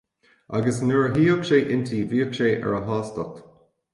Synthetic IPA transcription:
a̰ɡəsnuɹɦiːɔkʃeːʔɪnt̪ʰiːviːɔkʃeːʔɛ̰ɹəɦɑːstɔk

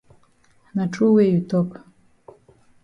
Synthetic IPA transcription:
naʈ͡ʂʼuwejut̪ʰokʼ

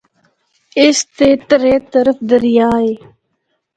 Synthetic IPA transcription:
ɪst̪eːt̪əɾeːt̪əɾəfd̪əɾjaːeː

